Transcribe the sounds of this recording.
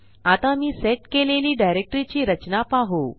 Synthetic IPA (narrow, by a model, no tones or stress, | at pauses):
at̪amiːseʈkeleliːɖajɾek̚ʈɾit͡ɕiːɾət͡ɕnapaɦo